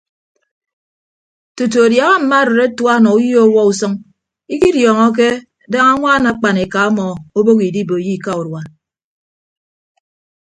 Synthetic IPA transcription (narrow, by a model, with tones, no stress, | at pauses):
tu˨t̬u˨a˨dja˨ɣa˦m̩˨ma˦˨ɾe˨ɾe˦twa˦nɔ˨u˦ji˦o˦wɔ˦u˨sɔ˦ŋ | i˦ki˦djɔː˨ŋɔ˦k̬e˦ | da˦ŋa˦ŋʷa˦˨na˨˦k͡pa˨ne˨ka˨a˦mɔ˨o˦bo˦ki˨di˦bo˨ji˦˨ka˦u˨ɾwa˨